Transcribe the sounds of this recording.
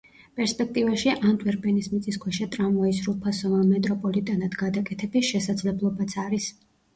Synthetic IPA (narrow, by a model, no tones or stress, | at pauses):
pʼɛɾspʼɛk̚ʰt̪ʼivaʃiʔand̪ʼvɛɾpʼɛnismit̪sʼiskʰwɛʃat̪ʼɾamvaisɾupʰasɔvamɛt̪ʼɾɔpʼɔlit̪ʼanad̪̥ɡad̪akʼɛt̪ʰɛbisʃɛsad̪zlɛblˠɔbat̪sʰaɾis